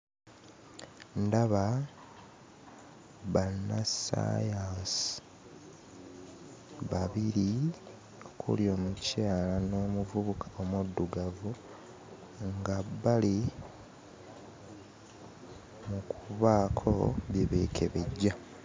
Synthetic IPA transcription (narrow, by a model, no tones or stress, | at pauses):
ndaβa | βanasa̰jas | βaβiɾi | okʰṵljo̞ːmucaːlano̞ːmuvuβukʰḁomudːuɡavu | ŋɡaβali | mukʰuβaːkʰo̰βje̞βekʰe̞̰βe̞ɟːa